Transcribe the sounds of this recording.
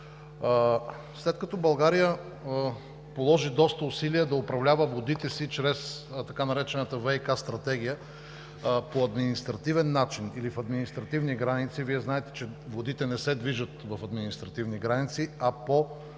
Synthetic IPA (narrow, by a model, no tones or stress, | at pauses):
slɛt̪kɐt̪ɔbɐlˠɡaɾijə | polˠɔʒid̪ɔst̪əʊsiliɛd̪ɐʊpɾɐvlʲavəvod̪it̪ɛsit͡ʃɾɛst̪ɐkanɐɾɛt͡ʃɛnət̪əvɛjkast̪ɾɐt̪ɛɡ̟ijə | poɐd̪minist̪ɾɐt̪ivɛnːat͡ʃinilifɐd̪minist̪ɾɐt̪ivniɡɾanit̪siviɛznaɛt̪ɛ̥t͡ʃɛvod̪it̪ɛnɛsɛd̪viʒət̪vɐfɐd̪minist̪ɾɐt̪ivniɡɾanit̪siɐpo